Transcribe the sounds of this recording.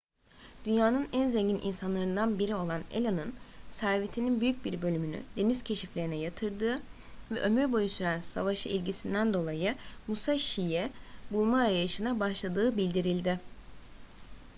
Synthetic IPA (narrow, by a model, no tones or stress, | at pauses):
d̪̥ynjaːnɯnænzeɲɟinʔḭnsanlˠaɾɯnd̪anbiɾio̞lˠanḛlʲanɯnsæɾvit̪ʰininbyjyc̚biɾbø̞lʲymyny̰d̪̥e̞niz̥cʰe̞ʃiflʲe̞ɾinɛjat̪ʰɯɾd̪ɯː | vɛʔø̞myɾbo̞jusyɾænsa̰vaʃɯʔilʲɟisind̪ænd̪o̞lˠajɯmusaʃijɛbulˠmaɾajaɯʃɯnabaʃlˠad̪ɯːbilʲd̪iɾilʲd̪ɪ